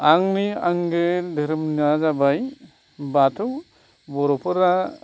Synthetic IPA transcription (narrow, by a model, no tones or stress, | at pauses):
aŋniaŋɡedɯɾɯmniazabaj | batʰɔ | bɔɾɔpʰɯɾa